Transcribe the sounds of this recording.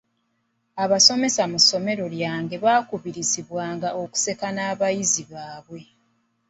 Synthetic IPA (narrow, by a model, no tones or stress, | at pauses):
aβaso̞me̞samuso̞me̞ɾo̞ljaːŋɡe̞βaːkuβiɾiziβwaːŋɡao̞ku̥se̞kanaːβajiziβaːβwe̞